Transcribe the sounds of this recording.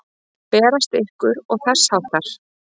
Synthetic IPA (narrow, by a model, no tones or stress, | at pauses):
pɛːɾast̪ehkʏɾɔɣθar̥sawt̪aɾ̥